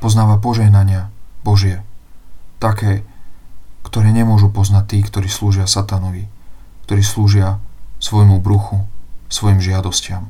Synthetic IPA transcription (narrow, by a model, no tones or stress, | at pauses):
pɔznaːʋap̬ɔʒɛɦnaɲɪabɔʒɪɛ | t̪akɛː | kt̪ɔɾɛːɲɛmʊɔʒupɔznat̚t̪iːkt̪ɔɾiːsluːʒɪasat̪anɔʋi | kt̪ɔɾiːsluːʒɪasʋɔjmubɾuxusʋɔjimʒɪad̪ɔscɪam